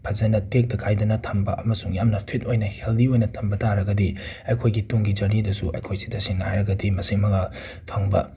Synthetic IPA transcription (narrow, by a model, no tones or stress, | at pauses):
pʰɐzɐnɐtek̚dɐkʰajdɐnɐtʰɐmbɐ̰ʔɐmɐsuŋjamnɐpʰit̚ojnɐheldiojnɐtʰɐmbɐtaɾɐɡɐdiɐjkʰojɡituŋɡid͡ʒɐɾnidɐsuʔɐ̰jkʰojzi̥dɐsiŋnajɾɐɡɐdimɐsiŋmɐɡa | pʰɐŋbɐ̰